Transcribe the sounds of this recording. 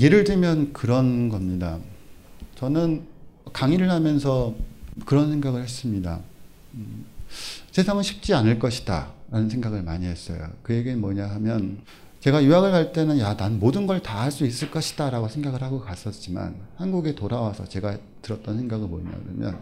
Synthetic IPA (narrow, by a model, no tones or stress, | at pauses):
je̞ɾɯɭdɯmjʌnkɯɾʌnɡʌmɲida | t͡ɕʌnɯnkaŋiɾɯɭhamjʌnsʰʌkɯɾʌnsʰe̞ŋɡaɡɯɭhe̞s͈ɯmɲida̰ | sʰe̞sʰaŋɯnɕʰip̚t͡ɕ͈ianɯɭk͈ʌɕʰi̥da̰ɾanɯnsʰeŋɡaɡɯɭmaɲiɦe̞s͈ʌ̰jo̰kɯjeɡemʌɲaɦamjʌn | t͡ɕe̞ɡajuɦaɡɯɭkaɭt͈e̞nɯnjananmodɯnɡʌɭtahaɭs͈uis͈ɯɭk͈ʌɕʰi̥d̥aɾaɡosʰe̞ŋɡaɡɯɭhaɡokas͈ʌt̚t͡ɕ͈ima̰nhanɡuɡe̞toɾawasʰʌt͡ɕe̞ɡa | tɯɾʌt̚t͈ʌnsʰe̞ŋɡaɡɯɭmo̰ɲa̰ɡɯɾʌ̰mjʌ̰n